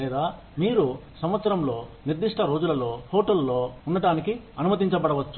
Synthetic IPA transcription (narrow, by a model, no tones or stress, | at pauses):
lɛːd̪aː | miːɾusɐmʋɐt̪sɐɾɐmlo̞ːniɾd̪iʂʈʰɐɾo̞ːd͡ʒulɐlo̞ːhoːʈɐlːo̞ːunːɐʈaːniki | ɐnumɐt̪̬iɲt͡ʃɐbɐɽɐʋɐt͡ʃːu